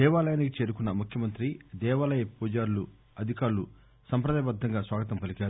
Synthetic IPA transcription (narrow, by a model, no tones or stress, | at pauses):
d̪ɛːʋaːlɐjɐnikit͡ʃe̞ːɾukunːɐmukʰjɐmɐnt̪ɾid̪ɛːʋaːlɐjɐpuːd͡ʒaːɾulu | ɐd̪ʱikaːɾulu | sɐmpɾɐd̪aːjɐbɐd̪ʱːɐŋɡaːsʋaːɡɐt̪̬ɐmpɐlikaːɾu